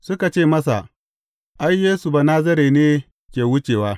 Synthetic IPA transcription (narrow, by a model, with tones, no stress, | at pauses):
sʊ˦ka˨t͡ʃeː˦˨mɐ˦s̬a̰˨ | ʔa˦jːeː˦su˨ba˨naː˦zɐ˦ɾeː˨neː˦ | kʲeː˨wʊ˦t͡ʃeː˨waː˦